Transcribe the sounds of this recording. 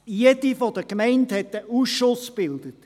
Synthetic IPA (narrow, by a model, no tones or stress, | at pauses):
jedifɔd̥əkmɛɪnthɛtəʔuːsʃʊsb̥ɪld̥̪ət